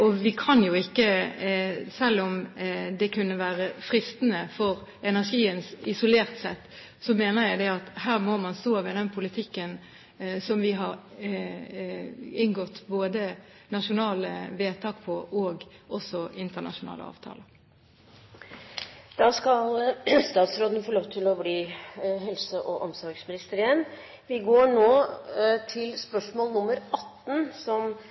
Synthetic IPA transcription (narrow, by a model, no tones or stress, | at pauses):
ɔʋɪkʰɑnjʊɪkːə | sɛlːɔmd̪ɛkʉnːəʋæːɾəfʁɪst̪nəfɔʁɛnæʂiːənsɪsʊleːʁt̪sɛt̪ː | sɔmeːnəjæɪd̪ɛɑt̪hæːʁmɔmɑnst̪oːʋɪd̪ɛnpʰʊlɪt̪ʰɪkːən | sɔmʋɪɦɑɾ | ɪŋɡɔt̪ːboːd̪ə | nɑʂʊnɑːləʋeːt̪ʰɑːkpʰɔʔɔːɡɔsɔɪnt̪əɳɑ̰ʂʊnɑ̰ːlə̰ɑ̰ːʋt̪ʰɑ̰ːlə | d̪̥ɑskɑlst̪ɑːt̪sɾoːd̪ənəfoːloːʋt̪ʰɪlɔbliːɦɛlsəʔɔʔɔmsɔɾɡsmɪnɪst̪əɾɪːən | ʋɪɡoːɳoːt̪ʰɪlspœʂmoːlnʊmːəɾʔɑt̪ːn̩sɔm